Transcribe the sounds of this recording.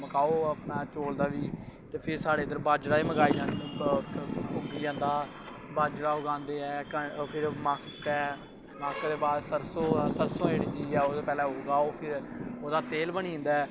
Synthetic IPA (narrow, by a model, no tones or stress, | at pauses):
məkaːoːapnaːt͡ʃoːld̪aːʋiːt̪eːpʰɪɾsaːɽeːd̪əɾbaːd͡ʒɾaːiːməɡaːiːd͡ʒãːn | ʊɡiːd͡ʒãːnd̪aː | baːd͡ʒɾaːʊɡãːnd̪eːɛ̃ːkəpʰɪɾmaːkkɛː | maːkd̪eːbaːɾsəɾsõːsəɾsõːeːɽiːd͡ʒiːɛːod̪eːpɛːlɛ̃ːʊɡaːoːpʰɪɾoːd̪aːt̪eːlbəɳĩːnd̪aːɛː